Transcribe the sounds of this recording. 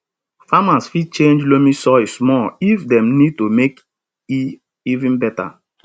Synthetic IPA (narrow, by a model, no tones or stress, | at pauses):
famasfid̚t͡ʃẽnd͡ʒlomisɔɪsmɔifdɛ̃mnid̚tomek | i | ivĩnbɛta̰